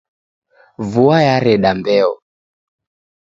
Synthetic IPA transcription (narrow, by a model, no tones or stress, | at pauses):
vuajaɾɛɗambɛɔ